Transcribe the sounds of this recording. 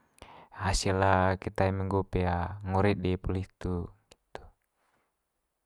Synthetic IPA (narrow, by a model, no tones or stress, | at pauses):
hasilakit̪aimɛŋɡupɛaŋɔɾidɛpuliht̪uɡi̥t̪u̥